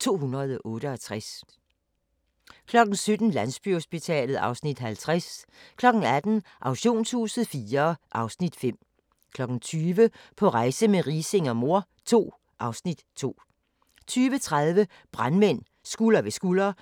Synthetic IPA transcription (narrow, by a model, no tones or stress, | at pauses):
t͡sʰo̝̰ːɦunɐð̞ˠʔɔ̽ːɾəɒ̽t͡sʰʁas | kʰlɒ̽ɡ̥̚n̩sød̥n̩læn̰sb̥yho̝sb̥it͡sʰɛ̰ːlð̞̩ˠɑ̈ʊsnid̥ɦælt͡sʰʁaskʰlɒ̽ɡ̥n̩æd̥n̩ʔɑ̈ʊɕo̝̰ːnshuːsð̩ˠfiːɐʔɑ̈ʊsnid̥fem̰ | kʰlɒ̽ɡ̥n̩t͡sʰyːʋəpʰɒ̽ʁɑ̈ɪsəmeʁiːse̝ŋɒmo̝ɐ̰ | t͡sʰo̝̰ː | ʔɑ̈ʊsnid̥t͡sʰo̝̰ː | t͡sʰyːʋət͡sʰʁaðˠʋə | b̥ʁanmen̰ | sɡ̥ulɐʋe̝sɡ̥ulɐ